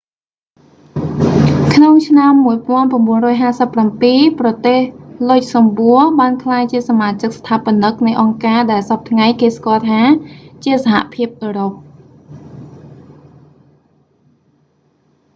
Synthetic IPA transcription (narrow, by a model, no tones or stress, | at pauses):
kʰnoŋt͡ɕʰnamːuəjpɔ̆ənpramɓuənrɔːjɦaːsəpːrampiːprɑt̪eːhlʊc̚sɑmɓuəɓaːnkʰlaːjt͡ɕiəsamaːt͡ɕɨk̚st̪ʰaːpănɨk̚nɨjʔɑŋkaːɗaɛlsap̚t̪ʰŋajkeːskŏəlt̪ʰaːt͡ɕiəsaɦa̰ʔpʰiəp̚ʔəːɾop̚